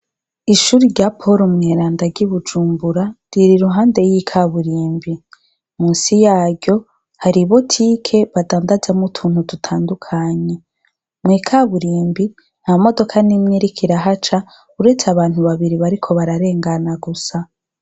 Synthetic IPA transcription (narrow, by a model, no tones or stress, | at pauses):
iʃuːɾiɾɟapʰo̞ɾomŋeɾaːndaɡɟiβud͡ʒuːmbuɾaɾiɾiɾuɦaːnde̞jikʰaβuɾiːmbi | muːnsijaːɟo̞ | haɾiβo̞tʰikʰe̞βadaːndazamutʰuːnhudutʰaːndukʰaɲe̞ | mŋiːkʰaβuɾiːmbi | naamo̞do̞kʰanimɲiɾikʰiɾaɦat͡ʃa | uɾe̞t͡seaβaːn̥huβaβiɾiβaɾikʰo̞βaɾaɾe̞ːŋɡanaɡusa